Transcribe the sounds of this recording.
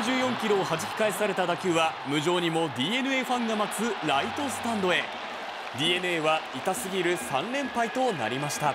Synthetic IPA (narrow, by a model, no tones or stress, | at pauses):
ʑɨːjõ̞ŋkʲiɾo̞ːhaʑikʲi̥kaesaɾe̞t̪ad̪akʲɯβamɯ̟ʑo̞ːɲ̟imo̞d̪ʲiːe̞nɯ̟e̞ɸãŋɡamat͡sɨɾait̪o̞sɨ̥t̪ãnd̪o̞e̞ | d̪ʲiːe̞nɯ̟e̞ːβait̪asɨɡʲiɾɯ̟sãnɾẽ̞mpait̪o̞na̰ɾʲimaɕi̥t̪a